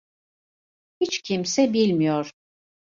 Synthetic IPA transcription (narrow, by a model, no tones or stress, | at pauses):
hit͡ʃcʰimsɛbilʲmijoɾ̥